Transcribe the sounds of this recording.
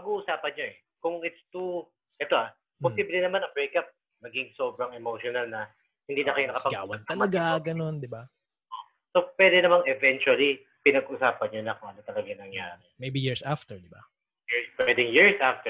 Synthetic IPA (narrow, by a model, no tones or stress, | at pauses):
pɐɡuːʔʊsaːpɐnɲoʔɛ | kʊŋɪt̪st̪u | ʔɛt̪o̞ʔa | posiblɛnɐmanɐŋbɹejkap̚ | mɐɡɪŋsoːbɾɐŋɛmoʃonɐlnɐ | hɪnd̪iːnɐkɐjonɐkɐpɐɡaːwɐt̪ɐlɐɡaɡɐno̞nd̪ɪba | ʔo | so̞pwɛd̪ɛnɐmaŋɛvɛnt͡ʃuɐli | pɪnɐɡʔʊsaːpɐnɲonɐkʊŋɐnot̪ɐlɐɡɐjŋnɐŋja̰ːɾɛmejbijiɹsaft̪ɛɹd̪ɪba | jɹspwɛd̪ɪŋjiɹsʔaft̪ɛ